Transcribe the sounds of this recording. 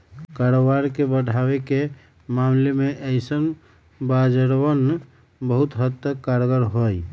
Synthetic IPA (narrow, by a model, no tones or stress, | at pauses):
kaɾobaɾkebəɽʱaweke | mamlemeʔəɪsən | bad͡ʒəɾwən | bəɦʊt̪ɦət̪ːəkːaɾɡəɾɦoj